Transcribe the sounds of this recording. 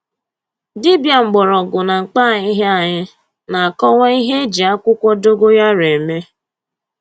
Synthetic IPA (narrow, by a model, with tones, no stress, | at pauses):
dɪ˦bja˨ŋ͡m̩˨ɡ͡bɔ˨ɾɔ˨ɡʊ˨na˨ŋ͡m̩˨k͡pa˦˨ɲɪ˦ɦe˦a˨ɲɪ˦ | na˨a˨kɔ˦wɔ˦i˦ɦe˦e˦d͡ʒi˨a˦kʷʊ˦kʷɔ˦do˦ɡo˦ja˦ɾe˨me˦